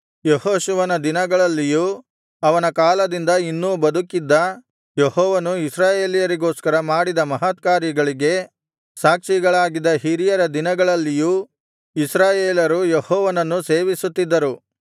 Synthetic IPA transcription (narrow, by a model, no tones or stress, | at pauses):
jeɦoːʃuʋɐnɐd̪inɐɡɐɭɐlːijuː | ɐʋɐnɐkaːlɐd̪ind̪ɐinːubɐd̪ukid̪ːɐ | jehɔːʋɐnuisɾaːje̞ːlijɐɾiɡo̞ːskɐɾɐmaːɽid̪ɐmɐɦɐt̪̚kaːɾjɐɡɐɭiɡe̞ | saːkʂiɡɐɭaːɡid̪ɐɦiɾijɐɾɐd̪inɐɡɐɭɐlːijuː | isɾaːjeːlɐɾujehɔːʋɐnɐnːuse̞ːʋisut̪ːid̪ːɐɾu